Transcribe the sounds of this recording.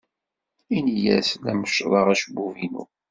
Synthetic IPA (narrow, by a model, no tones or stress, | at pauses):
injæ̰slæməʃɾˤəʁæʃbːuvinṵ